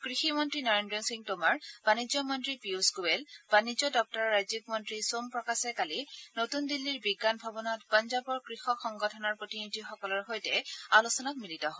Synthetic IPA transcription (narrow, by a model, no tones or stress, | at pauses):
kɹiximɔntɹinɔɹendɹɔsiŋtomaɹb̥anizɔmɔntɹipiusɡuɛlb̥anid͡ʒɔdɔk̚tɔɹːajzikmɔntɹisompɹɔkasɛkalinotundilːiɹbiɡːanbʱɔbɔnɔtpɔnzabɔɹkɹixɔxɔŋɡɔtʰɔnɔɹpɹotinidʱixɔkɔlɔɹɦojtɛalusɔnɔkmilitɔɦɔj